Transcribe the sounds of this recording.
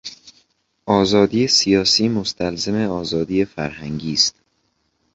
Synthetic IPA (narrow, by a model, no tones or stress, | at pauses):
ʔɒːzɒːd̪iːjesijɒːsiːmost̪ʰælzeme̞ɒːzɒːd̪iːjefæɾhæŋɟiːst̪̚